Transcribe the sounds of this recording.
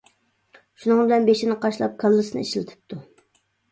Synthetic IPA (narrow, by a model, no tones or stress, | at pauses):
ʃunɨŋbɪlɛnbeʃɪnɨqʰɑʃlˠɑ̰p̚kʰɑlˠːɨsɨnɨ̰ḭʃlɪt̪ʰɨ̥p̚t̪ʰu